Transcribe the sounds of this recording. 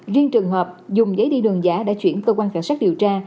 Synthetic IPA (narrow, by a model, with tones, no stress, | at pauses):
zi˧ənt͡ɕɨ˨˩ŋɦəː˨˩p̚zʊ˨˩ŋ͡mzəː˨˦jɗḭ˧˨˩ɗɨ˨˩əŋzaː˨˦ɗa̰ː˧˥t͡ɕwḭ˧˩ənkəː˧kwaː˧nkaː˨˩t̚sa˦˥k̚ɗi˨˩əwt͡ɕaː˧